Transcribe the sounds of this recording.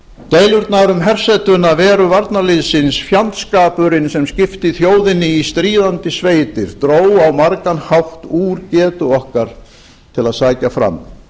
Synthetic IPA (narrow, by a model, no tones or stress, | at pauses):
t̪eːjlʏɾt̪naɾʏmɦɛr̥sɛt̪ʏnavɛːɾʏvaɾt̪nalɪðsɪnsfjant̪skaːpʏɾɪnsɛmscɪft̪ɪθjoːwðɪnːɪist̪ɾiːðant̪ɪsveːjt̪ɪɾ̥t̪ɾoːwawmaɾkanhawht̪uːɾcɛːt̪ʏɔhkaɾ̥ | t̪ʰɪlaðsaːjcafɾa̰m